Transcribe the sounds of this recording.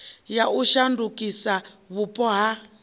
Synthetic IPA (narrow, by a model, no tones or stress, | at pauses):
jaʔuʃandukʼisa | βupʼɔɦa